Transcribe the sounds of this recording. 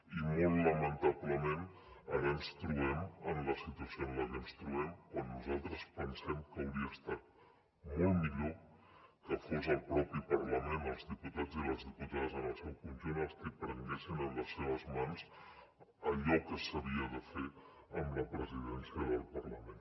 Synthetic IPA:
imolˠːəmənt̪abləmenənənst̪ɾuɛmənləsit̪uəsionlakənst̪ɾuɛmkwanːuzalˠt̪ɾəspənsɛmkəwɾiəst̪at̪̚ | mɔlˠmiʎokəfozəlˠpɾɔpipərləmenəlˠzðiput̪ad͡ziləzðiput̪aðəzənəlˠsɛwkunʒunəst̪əpɾənɡɛsinənləseβ̞əzmanz | əʎɔkəsəβiəðəfe | əmləpɾəziðɛnsiəðəlˠpərləmẽn

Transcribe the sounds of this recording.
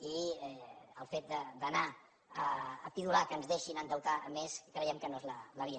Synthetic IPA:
iɛəlˠfet̪̚d̪əd̪əna | əːpiðulakəːnzðeʃinənt̪əwt̪aʔəmeskɾəjɛmkənoezlələβiə

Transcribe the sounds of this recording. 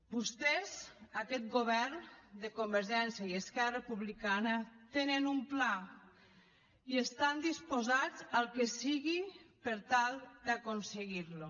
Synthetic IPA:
bust̪ezakɛt̪̚ɡoβɛɾnd̪ekombəɾʒɛnsjaieskɛɾrəpuβlikanət̪enənumpla | iest̪and̪ispozad͡zalˠkesiɣipeɾt̪alˠd̪akonseɣiɾlu

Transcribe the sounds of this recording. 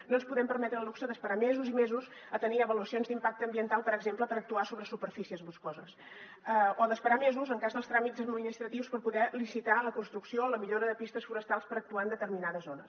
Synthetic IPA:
noənspuðɛmpəɾmɛt̪ɾəluksəðəspəɾamɛzuzimɛzuz | ət̪əniəβəluəsionzd̪impak̚t̪əːmbiənt̪alˠpəɾəɡzempləpəɾək̚t̪uasoβɾəsupəɾfisiəzβuskozəs | əoðəspəɾamɛzuzəŋkazðəlˠst̪ɾamizəd̪mininist̪ɾət̪iwspəɾpuðɛlisit̪aləkunst̪ɾuksioələmiʎoɾəðəpist̪əsfuɾəst̪alˠspəɾək̚t̪uand̪ət̪əɾminaðəzonəs

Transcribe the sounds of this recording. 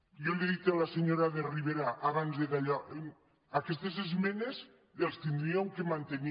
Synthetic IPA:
joleðit̪ealaseɲoɾaðeriβ̞eɾaʔaβanzðeðaʎa | akest̪ezezmenez | elˠst̪ind̪ɾiawŋkemant̪eni

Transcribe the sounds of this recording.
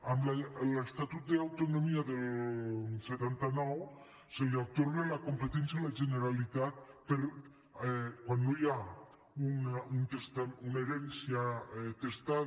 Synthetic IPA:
amlalest̪at̪ut̪̚d̪eawt̪onomiaðel | set̪ant̪anɔw | seleawt̪oɾɣelakompet̪ɛnsjalaʒeneɾalit̪at̪̚peɾ | kwanːoja | unaunt̪est̪auneɾensjat̪est̪a

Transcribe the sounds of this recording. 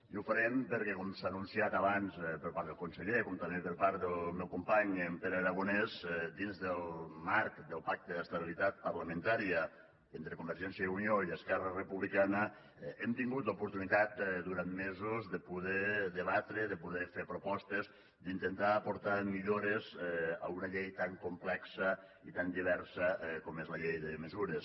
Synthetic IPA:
jufəɾempəɾkɛkɔmsaːnunsiat̪aβanzpəɾpaɾd̪ðəlˠkunseʎekomt̪amepəɾpaɾt̪d̪əlmewkumpaɲempeɾəɾaɣ̞unezd̪inzðəlˠmaɾkd̪əlˠpak̚t̪əðəst̪əβilit̪at̪̚pəɾləmə̃nt̪aɾiə | ent̪ɾəkumbəɾʒɛnsjəunioiəskɛrərəpuβlikanə | emt̪iŋɡut̪lupuɾt̪unit̪at̪d̪uɾanmezozðəpuðɛðəβat̪ɾeðəpuðɛfeɾpɾopɔst̪ez | d̪int̪ent̪aːpoɾt̪amiʎoɾezə̰unəʎejt̪aŋkumplɛksə | it̪and̪iβ̞ɛɾsəkomezləʎejðəməzuɾes

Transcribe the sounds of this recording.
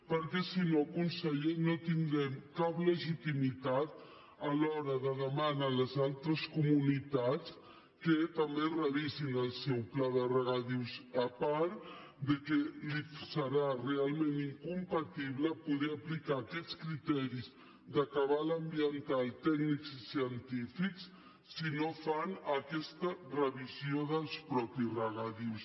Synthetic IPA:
pəɾkɛsinokunsəʎenot̪iŋd̪ɾɛmkapləʒit̪imit̪at̪̚ | əlɔɾəðəðəmanələzalˠt̪ɾəskumunit̪at͡s | kət̪əmberəβizinəlˠsɛwplaðərəɣaðiwzəpaɾ | d̪əkɛlisəɾarealˠmẽniŋkumpat̪iβləpuðɛəplikaːkɛt͡skɾit̪ɛɾiz | d̪əkəβaləmbiənt̪alˠt̪ɛɡnikzisiənt̪ifiksː | inofanəkɛst̪ərəβizioðəlˠspɾɔpisrəɣaðiws

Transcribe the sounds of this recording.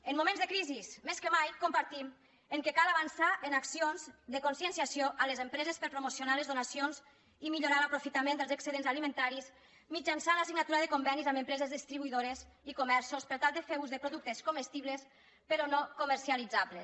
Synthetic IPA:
ənmumẽnzðəkɾizismeskəmajkompaɾt̪im | əŋkekalaβansaʔenaksionzðəkonsiənsiasioʔalezempɾɛzespəɾpɾomosjonalezðunasionz | imiʎoɾalapɾofit̪amẽnd̪əlˠzəksəðenzalimẽnt̪aɾiz | mid͡ʒansanlasiɡnat̪uɾaðəkombɛnizaməmpɾɛzezðist̪ɾiβuiðoɾez | ikomɛɾsospəɾt̪alˠd̪əfeɾuzðəpɾoðuk̚t̪eskomest̪iβles | pəɾɔnokoməɾsialid͡zaβles

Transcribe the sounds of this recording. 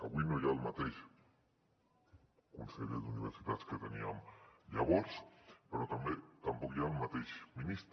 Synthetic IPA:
kawinojalmat̪eʃ | konseʎeðuniβeɾsit̪at͡sket̪aniamʎaβoɾspeɾot̪amet̪ampokjalmat̪eʃminist̪

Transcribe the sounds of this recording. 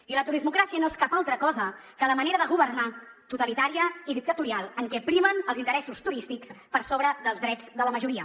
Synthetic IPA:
ilət̪uɾizmukɾasiənoeskapalˠt̪ɾəkɔzə | kələməneɾəðəɣ̞uβərnat̪ut̪əlit̪aɾiəiðik̚t̪ət̪uɾialˠəŋkɛpɾimənəlˠzint̪əɾɛsust̪uɾist̪ikspəɾsoβɾəðəlˠzðɾɛd͡zðələməʒuɾiə

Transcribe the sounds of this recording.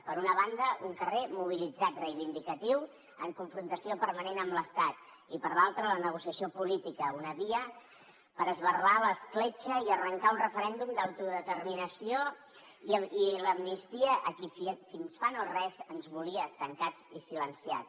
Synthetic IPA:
pəɾunəβand̪əʔuŋkəremuβ̞ilid͡zat̪rəjβind̪ikət̪iw | əŋkuɱfɾunt̪əsiopəɾmənenəmbləst̪at̪̚ | ipəɾlalˠt̪ɾələnəɣ̞usiəsiopulit̪ikəunəβiə | pəɾəzβərlaləsklet͡ʃəiərəŋkaunrəfəɾɛnd̪umd̪awt̪uðət̪ərminəsio | iiləmnist̪iəʔəkiffinsfanorɛzənzβuliət̪əŋkad͡zisilənsia̰t͡s

